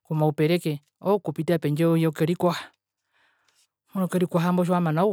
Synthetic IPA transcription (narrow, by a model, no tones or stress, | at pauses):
kumaupɛɾɛkɛ | ɔukupitiapɛɲd͡ʒɛujɔkɔɾikwaha | munɔkɔɾikwaɦambɔʃ̬ɔwamanau